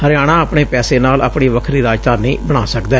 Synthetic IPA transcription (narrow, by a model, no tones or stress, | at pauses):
həɾjaːɽ̃ãːəpɳeːpɛːseːnaːla̰ːpɳiːʋəkʰɾiːɾaːd͡ʒt̪aːnĩːbəɽ̃aːsəkd̪ɛː